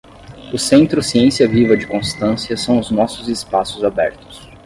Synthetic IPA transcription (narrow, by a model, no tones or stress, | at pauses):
ʊsẽnt̪ɾʊsiẽsiɐvivɐd͡ʒɪkõst̪ɐ̃siɐsɐ̃w̃ʊznɔsʊzɪspasʊzabɛ̰ɾt̪ʊ̥s